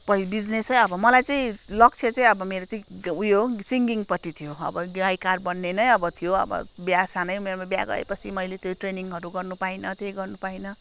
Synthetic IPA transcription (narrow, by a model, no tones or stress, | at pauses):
pʌibid͡znesʌjʌbʌmʌlajt͡sʌĩlʌk̚t͡sʰet͡sãĩʌbʌmeɾot͡sʌĩujosiŋɡiŋpʌʈːit̪ʰijoʌ̰bʌɡajkarbʌnːenʌjʌbʌt̪ʰijoʌ̰bʌ̰bjasanʌjumermabja̰ɡʌ̰ḛpʌt͡sʰimʌjlet̪joʈreniŋɦʌɾuɡʌrnupainʌt̪ejɡʌrnupainʌ